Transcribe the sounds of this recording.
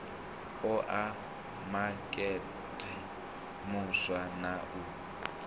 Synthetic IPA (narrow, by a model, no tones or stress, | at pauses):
ʊʔa | makʼɛ | tʼɛ | mʊswanaʔʊ